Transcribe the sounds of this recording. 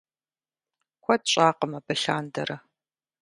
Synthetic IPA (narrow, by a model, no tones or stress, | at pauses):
kʷʰɔdɕʼaːqəmɐbɐɬaːndɐɾɐ